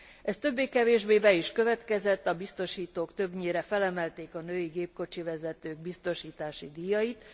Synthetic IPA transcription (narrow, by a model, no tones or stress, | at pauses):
ɛst̪ø̞bːeːkɛveːʒbeːbɛiʃkø̞vɛt̪kɛzɛt̪ːɒbist̪o̞ʃiːt̪oːkt̪ø̞bɲeːɾɛfɛlɛmɛlt̪eːkɒnøːjiɡeːp̚ko̞t͡ʃivɛzɛt̪øːɡ̚bist̪o̞ʃiːt̪aːʃid̪ijɒjit̪